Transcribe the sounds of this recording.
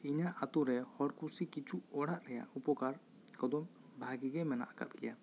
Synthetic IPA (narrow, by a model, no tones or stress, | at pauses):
iɲaʔat̪uɾɛhɔɽkusikit͡ʃuɔɽaʔɾɛja̰upɔkaɾ | kɔd̪ɔm | bʱaɡiɡɛmɛna̰ʔaka̰t̪kɛja